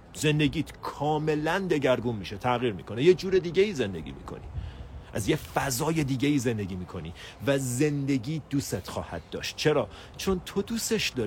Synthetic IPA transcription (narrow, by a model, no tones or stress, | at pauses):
ze̞nd̪e̞ɟiːt̪kʰɒːme̞lænd̪e̞ɟæɾɡunmiːʃet̪ʰæɣiːɾmḭːkʰo̞nejed͡ʒuːɾe̞d̪iːɟeiːze̞nd̪e̞̰ɟḭːmḭːkʰo̞̰nḭːʔæzjefæzɒːje̞d̪iːɟeiːze̞nd̪e̞ɟiːmiːkʰo̞ni | væze̞nd̪e̞ɟiːd̪̥uːset̪xɒ̰ːhæ̰d̪̥̚ːɒ̰ːʃt̪̚t͡ʃʰe̞ɾɒː | t͡ʃʰo̞nt̪ʰo̞d̪uːseʃd̪ɒː